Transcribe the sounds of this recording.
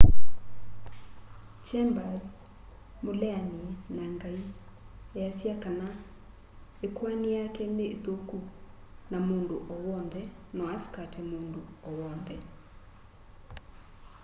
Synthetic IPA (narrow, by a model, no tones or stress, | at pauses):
t͡ʃɛmbaz | molɛaninaŋɡai | easjakana | ekwanijakɛneðokunamoːndoʔɔwɔndɛnɔaskatʰemondoɔwɔndɛ